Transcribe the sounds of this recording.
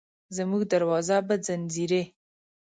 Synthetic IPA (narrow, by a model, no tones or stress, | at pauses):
zəmuɡ̚d̪aɾwɑzabazanziɾe